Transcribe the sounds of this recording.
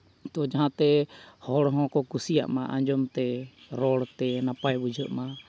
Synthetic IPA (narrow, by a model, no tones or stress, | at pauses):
t̪ɔd͡ʒaɦãt̪ɛhɔɽɦɔ̃kɔkusija̰ʔmaʔã̰ɲd͡ʒɔmt̪ɛɾɔɽt̪ɛnapajbud͡ʒʱɔʔma